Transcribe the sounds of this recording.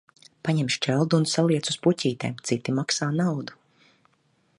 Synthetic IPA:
paɲɛmʃt͡ʃɛlˠd̪unsalˠiɛt̪su̥spucʲiːt̪ɛ̰ːmt̪sit̪imaksaːnawd̪u

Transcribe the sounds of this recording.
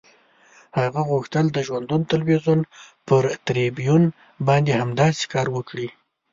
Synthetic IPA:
haɣaɣuxt̪əld̪əʒwand̪unot̪alwizun | pəɾt̪ɾebijun | bɑnd̪ehamd̪ɑse̥kɑɾwəkɽi

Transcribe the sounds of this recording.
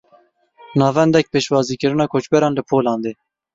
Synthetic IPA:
nɑːvɛnd̪ɛk̚peːʃwɑːziːkɨɾɨnɑːkʰoːt͡ʃbɛɾɑ̃ːnlɨpʰoːlɑ̃ːnd̪eː

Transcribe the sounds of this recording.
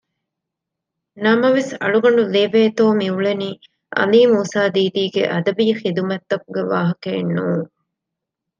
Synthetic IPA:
nɐmɐʋesɐ̰ɭuɡɐɳ̆ɖuleʋeːt̪oːmiuɭeniː | ʔɐ̰liːmuːsaːd̪iːd̪iːɡḛʔɐd̪ɐbiːxid̪umɐt̪ːɐkuɡeʋaːɦɐkeːnːuːŋ

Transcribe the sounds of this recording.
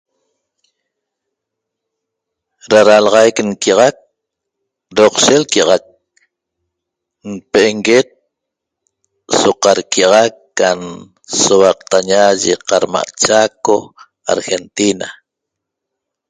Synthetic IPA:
ɾaɾalʁɑjknkiɑʁɑk̚ | ɾoqʃelkiɑʁɑk̚ | n̩peʔeŋɡet̪̚ | soqɑɾkiɑʁɑkːan | sowɑq̚t̪aɲaʒeqɑɾma̰ʔt͡ʃako | a̰ɾxe̞nt̪ina

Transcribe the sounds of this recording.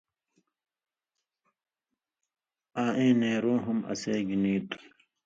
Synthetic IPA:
aːʔẽːneːɾoːɦɐmɐ̰seːɡiniːt̪u

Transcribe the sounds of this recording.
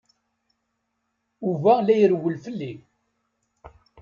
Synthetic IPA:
uvælæjɾwəlfəlːi

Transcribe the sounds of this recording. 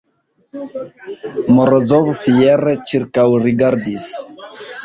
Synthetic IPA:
moɾozovfieɾet͡ʃiɾkawɾiɡaɾd̪is

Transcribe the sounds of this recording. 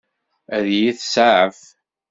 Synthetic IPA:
æðjiθsaʕəf

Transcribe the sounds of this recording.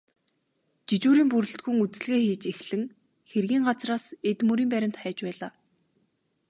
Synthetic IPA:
t͡ɕit͡ɕuːɾiːmpuɾɵ̆ɬt̪ɡuŋut͡sɘ̆ɮɣeːxiːt͡ɕexɮɘ̆ŋ | xerɣiːŋɢat͡sraːset̪mɵɾiːmpæɾʲɪ̆m̥t̪χæːt͡ɕpæːɮaː

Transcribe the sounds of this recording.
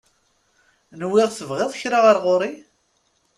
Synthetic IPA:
nwːɪʁθəvʁeðˤçɾaʁəɾˤʁoɾˤi

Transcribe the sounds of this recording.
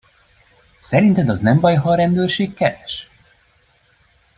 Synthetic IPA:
sɛɾint̪ɛd̪ɒznɛmbɒjɦɒɾɛnd̪øːrʃeːkːɛɾɛʃ

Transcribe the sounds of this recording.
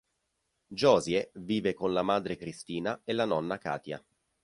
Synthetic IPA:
d͡ʒɔːzjeviːvekonlamaːd̪ɾekɾist̪iːnaelːanɔnːaka̰ːt̪ja̰

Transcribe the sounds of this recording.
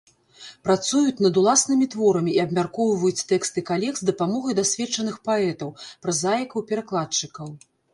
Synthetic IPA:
pɾat̪sujut͡sʲn̪ɐd̪ulˠasnɨmʲit̪vɔɾɐmʲiːɐbmʲarkɔwvɐjut͡sʲt̪ɛkst̪ɨkalʲɛxzd̪ɐpamɔɣɐjd̪asʲvʲɛt͡ʂɐnɨxpaɛt̪ɐwpɾɐzajɛkɐwpʲɛɾaklˠat͡ʂɨkɐw

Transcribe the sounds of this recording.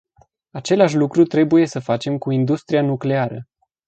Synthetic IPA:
at͡ʃe̞laʃ̬ʲlukɾut̪ɾe̞buje̞səfat͡ʃe̞mkuind̪ust̪ɾianukle̞aɾə

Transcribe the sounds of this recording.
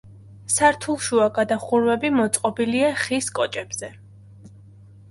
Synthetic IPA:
saɾt̪ʰulˠʃuakʼad̪aχuɾvɛbimɔt̪sʼqʼɔbiliaχiskʼɔt͡ʃʼɛbz̥ɛ

